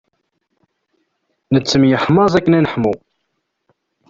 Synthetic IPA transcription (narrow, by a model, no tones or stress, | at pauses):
nət͡sːəmjəħmɑzˤækːənænəħmu